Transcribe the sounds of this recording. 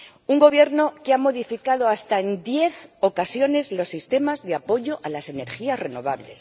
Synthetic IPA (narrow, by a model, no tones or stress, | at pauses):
uŋɡo̞βje̞ɾno̞keamo̞ðifikaðo̞ast̪aend̪je̞θo̞kasjo̞ne̞zlo̞sːist̪e̞mazðeapo̞ʝo̞ʔalase̞ne̞ɾxiasre̞no̞̰β̞aβle̞̰s